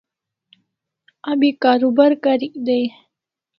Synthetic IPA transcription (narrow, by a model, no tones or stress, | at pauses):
abikaːɾubaɾkaɾid̪aj